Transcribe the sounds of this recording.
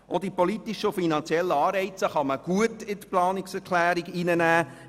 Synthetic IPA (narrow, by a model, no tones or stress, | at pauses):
ʔɔdipɔlitiʃəʊfinɑnt͡sjɛlːəɑːrɛɪt͡səχɑməɡ̥uətɪtplɑːnɪksɛɾkʰlæːɾiɡinənæː